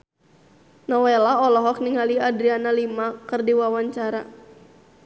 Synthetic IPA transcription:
nɔwelaɔlɔɦɔk̚niŋaliadɾianalimakɨrdiwawaɲt͡ʃaɾa

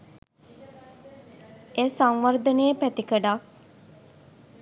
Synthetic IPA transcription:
esaŋʋaɾd̪ənejəpæt̪ikəɖak̚

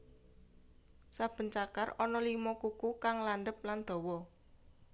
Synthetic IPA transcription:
sab̥ə̤nt͡ʃaka̰rɔnɔlimɔkukukaŋlaɳɖəp̚land̪̥ɔ̤wɔ

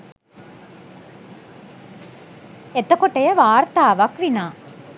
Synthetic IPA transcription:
et̪əkoʈəjəʋaːɾt̪aːʋɐkʋinaː

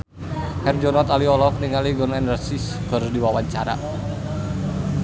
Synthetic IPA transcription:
hɛrd͡ʒɔnat̪aliɔlɔk̚niŋaliɡɔnɛndərsisɡ̥ɔ̤ɾudiwawaɲt͡ʃaɾa̰

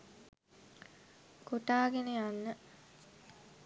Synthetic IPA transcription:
koʈaːɡenejanːə

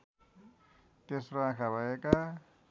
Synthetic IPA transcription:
t̪esroãkʰabʱaeka

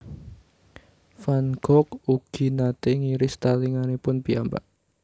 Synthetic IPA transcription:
fanɡ̥ɔk̚uɡ̥i̤nat̪eŋiɾɪst̪aliŋanepʊnpiamba̰ʔ

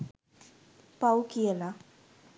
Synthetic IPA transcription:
pawkiela

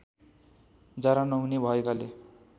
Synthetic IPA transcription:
d͡zaɾanʌɦunebʱʌekale

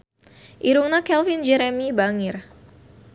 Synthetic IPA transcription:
ʔiɾuŋnakɛlfind͡ʒɛɾɛmibaŋɪr

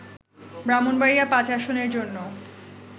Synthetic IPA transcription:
bɾamonbaɾijapãt͡ɕaʃoneɾd͡ʑonːo

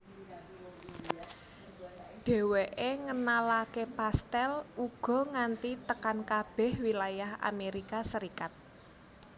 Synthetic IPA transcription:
ɖ̥ɛ̤weʔeŋənalakepast̪ɛluɡ̥ɔ̤ŋant̪it̪əkankab̥ɛ̤hwilajaha̰meɾikasəɾikat̪̚

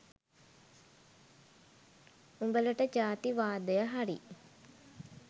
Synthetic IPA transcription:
uŋbələʈəd͡ʒaːt̪iʋaːd̪əjəɦaɾḭ

